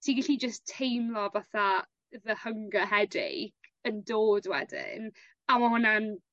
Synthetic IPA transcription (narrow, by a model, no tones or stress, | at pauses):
tʰiɡɪɬid͡ʒəstʰejmlɔvaːθa | ðəhəŋɡəɦɛdɪ̰kəndoːdwɛ̰dɪ̰n | amahʊnan